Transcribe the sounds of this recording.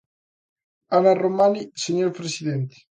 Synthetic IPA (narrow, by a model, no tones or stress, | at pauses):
anaromaniseɲoɾpɾesid̪ɛnt̪i̥